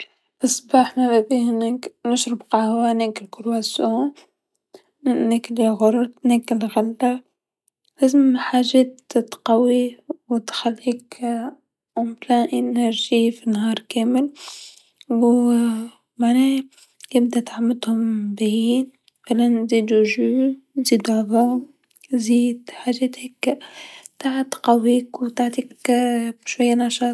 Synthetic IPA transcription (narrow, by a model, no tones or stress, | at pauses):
ʔɑsˤbɑːħmababihɪneːknəʃɾɪbqɑhwaneːkɪlkʊɾwaso | nːekliɣʊɾˤt̪neːkɪlɣalːa | ʔazmħaːʒeːt̪t̪qawiwt̪xalːiːk | ʕʊmlaʔɪnaɾʒifinhɑːɾˤkeːmɪl | w | maʕnɛː | jɪb̚d̪at̪ʕamːad̪hʊmbajiːn | falanziːd̪uʒuːziːd̪ʕðɑ | ziːd̪ħaːʒɛːt̪hɪk | t̪aʕat̪qawːiːkwt̪aʕt̪iːk | ʃwajːanɑʃɑːt̪